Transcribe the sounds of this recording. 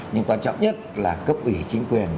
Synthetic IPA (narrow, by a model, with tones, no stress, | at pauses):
ɲɨ˧ŋkwaː˧nt͡ɕɔ̰˧˨wŋ͡mɲə˦˥t̚laː˨˩kə˦˥p̚ʔwi˧˩t͡ɕï˨˦ŋ̟kwi˨˩ən